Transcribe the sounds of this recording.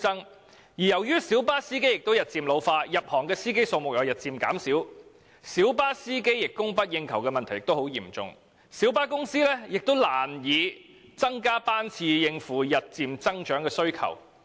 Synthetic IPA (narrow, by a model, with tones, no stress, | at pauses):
ɐ˥ŋ | jiː˨˩jɐ˨˩wjyː˥siː˨˥wpaː˥siː˥ke˥jɪ˨k̚t̪o˥wjɐ˨˩t̚t͡siː˨mlo˨˧wfaː˧jɐ˨p̚hɔː˨˩ŋkɛː˧siː˥ke˥jso˧wmʊ˨k̚jɔː˨˧jɐ˨˩t̚t͡siː˨˩mka̰ː˨˥msiː˨˥w | siː˨˥wpaː˥siː˥ke˥jjɪ˨kkːʊ˥ŋpɐ˥t̚jɪ˧ŋkʰɐ˨˩wkɛː˧mɐ˨nt̪ʰɐ˨˩jɪ˨kt̪o˥who˨˥wjiː˨˩mt͡sʊ̰˨ŋ | siː˨˥wpaː˥kʊ˥ŋsiː˥lɛː˥jɪ˨k̚t̪o˥wlaː˨˩njiː˨˧ | t͡sɐ˥ŋkaː˥paː˥nt͡sʰiː˧jɪ˧ŋfuː˨jɐ˨t̚t͡siː˨mt͡sɐ˥ŋt͡ʃœː˨˥ŋkɛː˧sɵ˥ɥkʰɐ̰˨˩w